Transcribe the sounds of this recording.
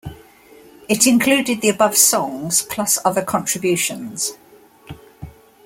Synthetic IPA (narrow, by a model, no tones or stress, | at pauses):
ɪtɪ̃nkʰl̥ʉːdɪd̪̚ðiəbʌv̥sɒ̃ŋz̥pʰl̥ʌsʌðəkʰɒ̃ntɹ̥ɪbjʉˑʃə̃nz̥